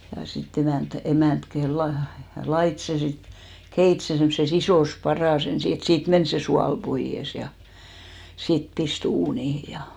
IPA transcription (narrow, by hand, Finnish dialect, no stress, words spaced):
jɑ sit emæˑnt emæˑnt ke lɑ lɑit se sit keit se semːŏses isoˑs pɑrɑˑs ensi et siːt men se suɑl poij̆es jɑ sit pist uːnihi jɑ